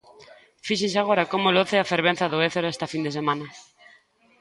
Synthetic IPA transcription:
fiʃens̬aɣoɾakomoloθeafeɾβ̞ẽn̟θaðoeθeɾɛst̪ɐfind̪es̬emãnɐ

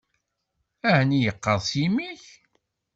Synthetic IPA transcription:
æhnijəqːɑðˤsimiç

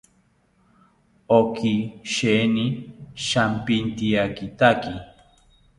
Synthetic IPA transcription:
okiʃeniʃampint̪iakit̪aki

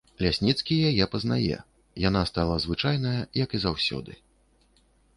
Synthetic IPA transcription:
lʲasʲnʲit̪skʲijajɛpɐzna̰jɛ̰ | jan̪ast̪alˠɐzvɨt͡ʂajnɐjɐjɐkizawsʲɔ̰d̪ɨ

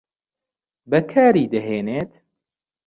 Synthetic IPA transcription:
bɛkʰaːɾiːd̪ɛɦeːneːt̪

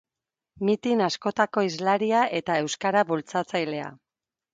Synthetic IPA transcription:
mit̪inasko̞t̪ako̞izlaɾiaʔe̞t̪ae̞wskaɾaβult͡sat͡sajle̞a̰

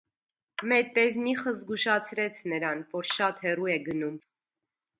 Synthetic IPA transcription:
mɛɾt̪ɛɾniχəzɡuʃɑt͡sʰɾɛt͡sʰnəɾɑnvɔɾʃɑt̪hɛruɛɡənum

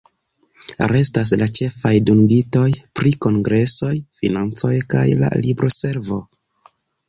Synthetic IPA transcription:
ɾe̞stas̬lat͡ʃe̞fajduŋɡito̞jpɾiko̞ŋɡɾe̞so̞jfinant͡so̞jkajla̰libɾo̞se̞ɾvo̞

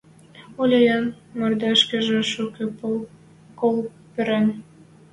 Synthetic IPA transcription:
ulʲejɑn | mord̪æʃkĕʒĕʃuke | kol | pɘ̆ɾæn

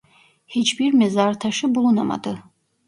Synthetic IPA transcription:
het͡ʃbiɾmɛzaɾt̪ʰaʃɯbulˠunama̰d̪ɯ

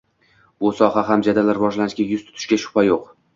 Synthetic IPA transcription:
bʊsɒɦaɦamd͡ʒad̪alaɾvɒʒlanɪʃɡʲajʊzt̪ʰʊ̥t̪ʰʊ̥ʃkʲaʃʊ̥pʰajoq

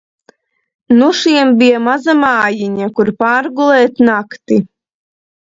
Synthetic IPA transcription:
nuʃiɛmbijɛmazamaːjiɲakuɾpaːɾɡulˠɛːt̪nakt̪i

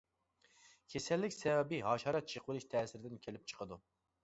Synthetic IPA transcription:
kʲʰesɛlːɪkʲsɛwɛbɪɦɑːʃɑːɾɛt̪̚t͡ʃʰəqwɪlˠɪʃt̪ʰɛːsɪɾɪd̪ɪnkʲʰelɪp̚t͡ʃʰə̥qʰəd̪u

